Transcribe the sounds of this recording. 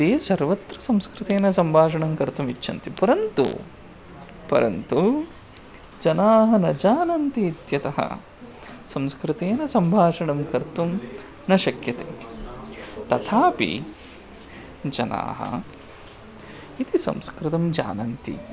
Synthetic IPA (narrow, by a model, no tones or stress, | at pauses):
eːsɐɾʋɐt̪ɾɐsɐmskɾɪt̪eːnɐsɐmbʱaːʂ̬ɐɳɐmkɐɾt̪umit͡ʃːʰɐnt̪ipɐɾɐnt̪ṵ | pɐ̰ɾɐ̰nt̪u | d͡ʒɐnaːɦɐnɐd͡ʒaːnɐnt̪iːt̪jɐt̪ɐɦɐ̰ | sɐmskɾɪt̪eːnɐsɐmbʱaːʂɐɳɐmkɐɾt̪um | nɐʃɐkjɐt̪ḛː | t̪ɐt̪ʰaːpḭ | d͡ʒɐna̰ːɦɐ̰ | it̪isɐ̰̃mskɾɪt̪ɐmd͡ʒa̰ːnɐnt̪ḭ